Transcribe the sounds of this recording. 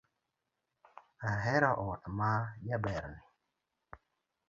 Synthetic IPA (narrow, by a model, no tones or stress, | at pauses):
aɦɛɾaʔɔtmajabɛɾni